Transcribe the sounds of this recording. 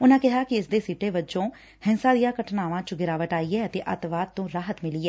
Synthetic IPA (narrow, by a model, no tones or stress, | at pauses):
ʊnãːkɪɦaːkɪɪsd̪eːsiːʈeːbət͡ʃõː | hɪ̃nsãːd̪ijãːkəʈnaːʋãːt͡ʃəɡɪɾaːʋəʈaːiːɛːət̪eːʔət̪ʋaːd̪̚t̪õːɾaːɦət̪mɪliːɛː